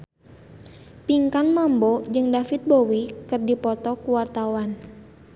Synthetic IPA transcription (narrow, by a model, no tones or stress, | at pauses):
piŋkanmambod͡ʒɨŋdafit̪̚bowikɨrdipɔt̪ɔkuwart̪awan